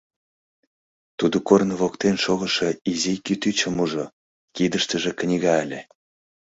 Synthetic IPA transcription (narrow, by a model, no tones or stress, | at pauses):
t̪ud̪okornəβokt̪enʃoɣə̆ʃɤizikyt̪yt͡ɕə̆muʒo | kid̪əʃt̪ə̆ʒĕknʲiɣɑelʲe